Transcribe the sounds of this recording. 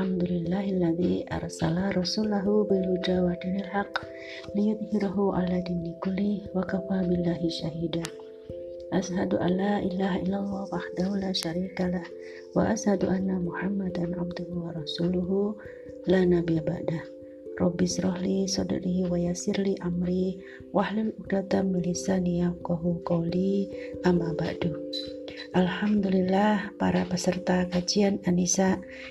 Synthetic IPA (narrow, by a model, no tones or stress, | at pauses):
alħamd̪ʊlɪlːaːhʔalːaðiʔɑ̰ɾˤsalaɾˤɑsulaɦubɪlʊd͡ʒawad̪inalħaqː | lɪjʊðˤhɪɾaɦuʕa̰lad̪inikʊlːɪwakafaːbɪlːaːɦɪʃaɦiːd̪a | ʔashad̪uʔa̰lːaːʔɪlaːɦaʔɪlːalˤːɑːhwaʔaħd̪ahulaːʃaɾiːkalah | wa̰ʔashad̪uʔanːamʊħamːad̪anʕabd̪ʊhʊwɑɾˤɑsuːlʊɦu | lanabiaba̰ʔdah | rˤɑbːisɾɔhlisɔda̰ɾiɦiwajasɪrliʔamɾi | wahlaluk̚t̪at̪amilisanijafkaɦukɔliʔamːaba̰ʔdu | ʔalħamd̪ulilːahpaɾapəsərt̪akad͡ʒiananisaʔ